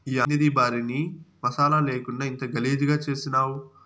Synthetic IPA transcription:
iːɐnid̪ibaːɾinimɐsaːlɐleːkuɳɖaːint̪ɐɡɐleːd͡ʒiɡaːt͡ʃe̞ːsinaːwu

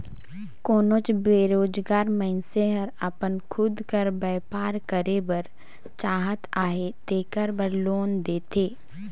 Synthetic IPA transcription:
koːnot͡ʃbeːɾoːd͡ʒɡaːɾmɛ̃nseɦəɾəpənkʰʊd̪kəɾbɛːpaːɾkəɾebəɾ | t͡ʃaːɦət̪aːɦed̪eːkəɾbəɾloːnd̪eːt̪ʰeː

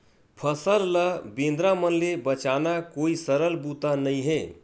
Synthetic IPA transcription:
pʰəsəlləbẽnd̪ɾamənlebət͡ʃanakoisəɾəlbut̪anəĩɦe

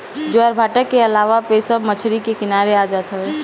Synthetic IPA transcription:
d͡ʒoəɾbʱaʈəkːeəlaʋapesəbmət͡ʃʰɾikekɪnaɾead͡ʒat̪ɦəe

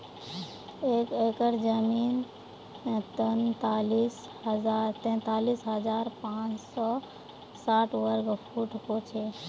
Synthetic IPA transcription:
ekekəɾd͡ʒəmin | t̪ənt̪alis | həzaɾt̪ɛ̃nt̪alisɦəd͡ʒaɾpãt͡ʃsɔ | saʈʋəɾkpʰuʈɦot͡ʃʰe

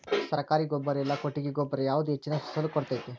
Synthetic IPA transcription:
sɐɾɐkaːɾiɡɔbːɐɾɛlːɐkoʈːiɡeɡɔbːɐɾɐjaːʋud̪uet͡ʃːinɐsɐsɐlːukɔɽt̪ajt̪e

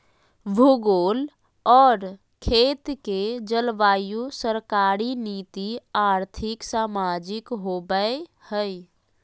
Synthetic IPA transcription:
bʱuɡoːl | ɔːɾ | kʰeːt̪ked͡ʒəlʋaːjusəɾkaːɾiniːt̪iaːɾt̪ʰɪksaːmaːd͡ʒɪkɦobəehəj

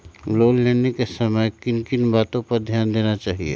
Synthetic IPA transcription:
loːlːeːnekesɐməjkɪnkɪnbaːt̪õpɐɾd̪ʱjaːnd̪eːnat͡ʃaːɦḭḛː

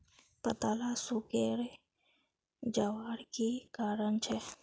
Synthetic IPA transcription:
pɐt̪alasukeɾe | d͡ʒaʋaːɾkikaːɾəɳt͡ʃʰe

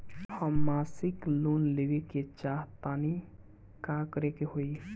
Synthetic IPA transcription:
həmːasɪklunleʋeket͡ʃaɦtani | kakəɾekeɦoi

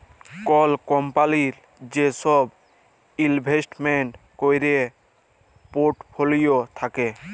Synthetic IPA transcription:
kɔlkɔmpaliɾ | d͡ʑeʃɔb | ilbʱesʈmeɳʈkojɾe | poʈpʰolijot̪ʰake

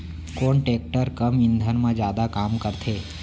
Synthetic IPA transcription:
koːɳʈek̚ʈəɾkəmɪnd̪ʱənmãd͡ʒjaːd̪akaːmkəɾt̪ʰe

